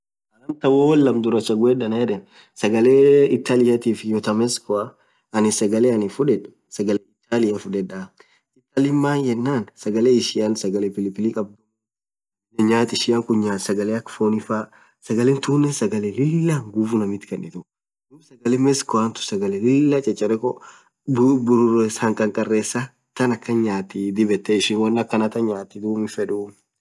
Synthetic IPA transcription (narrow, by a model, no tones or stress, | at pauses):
ɐɾɐmt̪ɐwoːwɐlːɐmd̪ʊɾɐt͡ʃːɐɡʊɛᶑɐnɐjɛᶑɛ | sɐɡɐleɪt̪ːaːlɪjɐt̪iːfɪjɔt̪ɐmɛskɔa | ɐnɪsɐɡɐleɐnɪfʊᶑɛᶑʊ̥ | sɐɡɐleɪt̪ːaːlɪjɐfʊᶑɛᶑa | ɪt̪ːɐlɪmːaːnjɛnːaːnsɐɡɐleːɪʃɪɐnsɐɡɐlepɪlɪpːɪlikʼɐb̚d̪u | ɛɲaːt̪ɪʃɪɐŋkʊɲɲaːt̪sɐɡɐleɐkːfoːnɪfaː | sɐɡɐleːnt̪uːnːɛsɐɡɐlelɪlːaŋɡufʊnɐmɪt̪ɪ̥kɐnʔɪt̪ʊ | d̪uːbsɐɡɐlemɛskɔant̪ʊ̥sɐɡɐlɛlɪlːɐt͡ʃʼɐt͡ʃʼːɐɾɛko | bbʊɾrɛshɐŋkʼɐŋkʼɐrːeːsːa | t̪ɐnɐkːɐɲaːt̪ɪd̪ɪbɛt̪ːɛɪʃɪnwɐnːɐkːɐnɐt̪ɐɲaːt̪ːɪd̪uːmɪfɛᶑuː